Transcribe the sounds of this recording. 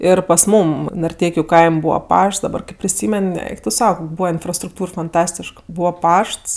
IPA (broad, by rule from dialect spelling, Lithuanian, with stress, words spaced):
ˈɪr pɐs ˈmuːm nɐrʲˈtʲɛɪkʲʊ ˈkɐɪmʲ ˈbuːʋɐ ˈpɐʃts dɐˈbɐr ˈkɜp pʲrʲɪˈsʲiːmʲɛn ˈɛɪk tʊ ˈsɐʊ ˈkoːkʲ ˈbuːʋɐ ɪnfrɐstrʊkˈtuːr fɐnˈtɑːsʲtʲɪʃk ˈbuːʋɐ ˈpɐʃts